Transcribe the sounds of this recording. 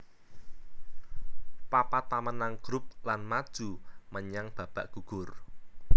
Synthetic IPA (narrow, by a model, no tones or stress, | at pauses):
papat̪amənaŋɡ̥ɾʊp̚lanmad̥ʒ̥ṳməɲaŋb̥ä̤b̥a̤ʔɡ̥uɡ̥ʊr